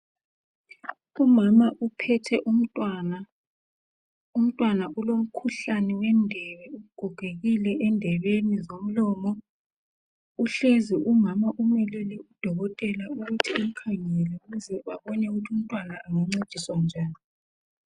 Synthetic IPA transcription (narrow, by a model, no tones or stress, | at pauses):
umamaʔupʰɛtʰɛʔum̩tʼwana | um̩tʼwanaulom̩kʰuɬanɛwɛndʱɛβɛuɣuɡ̥ʱuɡ̥ʱeɣilɛʔɛndʱɛβenizom̩lɔːmɔ | uɬeziʔumamaʔumɛlɛlɛud̥ʱɔɣɔtʼɛlauɣutʰiiŋ̩kʰaŋɛlɛuɣuzɛβaβɔnɛɣutʰium̩tʼwanaːŋaŋ͡ǀed̥ʱiswand͡ʒʱaːni